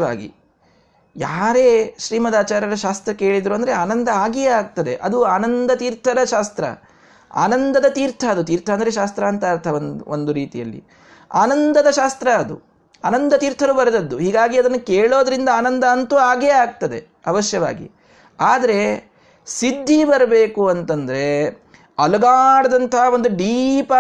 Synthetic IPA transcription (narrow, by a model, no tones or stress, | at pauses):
a̰ːɡḭ | jaːɾe̞ːʃɾiːmɐd̪aːt͡ʃaːɾjɐɾɐʃaːst̪ɾɐke̞ːɭid̪ɾuɐnd̪ɐɾeaːnɐnd̪ɐaːɡɛjaːɡ̚t̪ɐd̪e̞ʔɐd̪uaːnɐnd̪ɐt̪iːɾt̪ʰɐd̪ɐʃaːst̪ɾɐ̰ | a̰ːnɐnd̪ɐd̪ɐt̪iːɾt̪ʰɐːd̪ut̪iːɾt̪ʰɐɐnd̪ɐɾeʃaːst̪ɾɐːɐnt̪aːɐɾt̪ʰɐnond̪uɾiːt̪ijɐlːḭ | aːnɐnd̪ɐd̪ɐʃaːst̪ɾɐːd̪ṵ | aːnɐnd̪ɐt̪iːɾt̪ʰɐɾubɐɾɐd̪ɐd̪ːuɦiːɡaːɡiɐd̪ɐnːukeːɭo̞ːd̪ɐɾind̪ɐaːnɐnd̪ɐɐnt̪uːaːɡeaːɡ̚t̪ɐd̪e̞ | ɐʋɐʃjɐʋa̰ːɡḭ | aːd̪ɐɾe̞ | sid̪ʱːibɐɾɐbe̞ːkuɐnt̪ɐnd̪ɐɾe̞ | ɐlɐɡaːɽɐd̪ɐnt̪ɐɦaʋond̪uɖiːpɐ